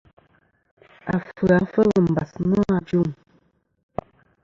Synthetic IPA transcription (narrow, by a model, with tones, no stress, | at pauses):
a̰˨fə˨a˨fə˦lə˨m̩˨ba˨snɔ˦a˨d͡ʒu˦˨m